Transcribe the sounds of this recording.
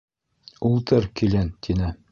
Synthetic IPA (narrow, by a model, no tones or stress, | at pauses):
ulˠt̪ɤɾkilænt̪ʰinɘ